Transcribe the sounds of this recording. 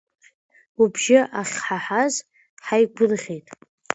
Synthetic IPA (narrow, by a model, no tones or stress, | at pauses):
ubʒɪʔaχʲħaħaz | ħajɡʷʊlʁʲejtʼ